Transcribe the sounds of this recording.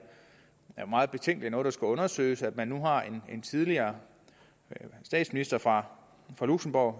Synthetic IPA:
æɐmɑ̈ːð̞̩ˠb̥e̝t͡sʰeŋɡ̥liænɔ̽ːð̞̩ˠdɑ̈sɡ̥æɔ̽nɐsø̰ːɪsæd̥mænːuɦɑ̈e̝ne̝nt͡sʰið̞ˠliɐː | sd̥ɛ̰ːd̥sminisd̥ɐfʁɑ̈ | fʁɑ̈luɡ̥səmb̥ɒʊ

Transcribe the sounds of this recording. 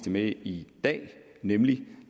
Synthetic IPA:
d̥emeid̥ɛ̰ː | nemli

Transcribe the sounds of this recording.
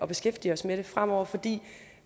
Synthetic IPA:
ɒ̽b̥e̝sɡ̥efd̥iɒ̽smeɾ̥e̝fʁam̰ɒʊ̰ɐfɒ̽d̥ḭː

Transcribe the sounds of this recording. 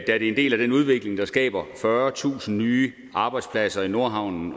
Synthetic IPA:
d̥æɐ̥e̝ende̝̰ːlæd̥enuð̞ˠʋe̝ɡ̥le̝ŋd̥ɑ̈sɡ̥ɛ̰ːb̥ɐfɶːɐt͡sʰṵːsn̩nyː | ʔɑ̈ːb̥ɑ̈ɪd̥spʰlæsɐino̝ɐɦɑ̈ʊ̰nn̩

